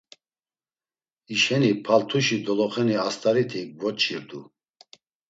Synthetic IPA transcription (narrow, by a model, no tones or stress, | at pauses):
iʃɛnipʰalt̪ʰuʃid̪ɔlɔχɛniast̪ʼaɾit̪ʰik̚vɔt͡ʃʰiɾd̪u